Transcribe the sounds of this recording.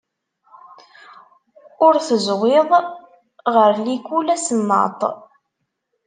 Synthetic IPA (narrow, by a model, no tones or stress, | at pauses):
ʊɾθəzwɪðˤ | ʁəɾlikulæsənːɑ̰t̪ˤ